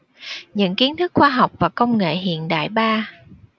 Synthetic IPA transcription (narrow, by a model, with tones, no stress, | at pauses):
ɲɨ̰˧˥ŋki˨˦ənt̪ʰɨ˦˥k̚xwaː˧ɦa˨˩wk͡p̚vaː˨˩kə˧wŋ͡mŋḛ˧˨ɦḭ˧˨ənɗa̰ː˧˨jɓaː˧